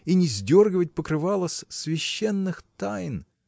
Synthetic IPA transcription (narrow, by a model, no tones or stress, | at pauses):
inʲɪzʲdʲo̞rɡʲəvət̚ʲpəkɾɨvalˠəsʲsvʲɪɕːenːɨxt̪ajn